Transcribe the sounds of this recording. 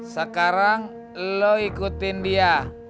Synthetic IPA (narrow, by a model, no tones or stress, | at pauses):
sakaɾaŋ | lːɔikut̪india